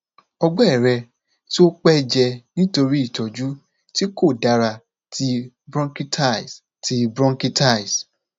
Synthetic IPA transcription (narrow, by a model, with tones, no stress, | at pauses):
ɔ˧ɡ͡bɔ˦ɛ˦˨ɾɛ˧ | ti˦o˦k͡pɛ˦d͡ʒɛ˧nĩ˦to˧ɾi˦i˦˨tɔ˨d͡ʒu˦ | ti˦ko˦˨da˨˦ɾa˧ | tʰi˧ | bɾɔ̃˦ŋki˦tʰa˦˨s | tʰi˧bɾɔ̃˦ŋki˦ta˦˨i˨s